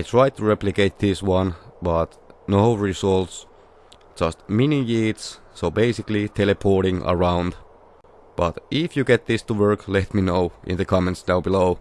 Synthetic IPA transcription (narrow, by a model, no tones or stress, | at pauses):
aɪtʰɹ̥aɪtʰuɹɛplɨkeɪt̪̚ðɪswʌ̃nbʌt̪ | noʊɹisɔlˠts | d̥d͡ʒ̥ʌstmɪnijits | soʊbeɪsɪklitʰɛlɛpʰɔɹɾɪ̃ŋʔə̰ɹãʊ̃nd | b̥ʌtɪfjɨɡɛt̪̚ðɪstuwɜ˞klɛtminoʊʔɪ̰̃nðɨkʰɑmɛ̃ntsnaʊbɪloʊ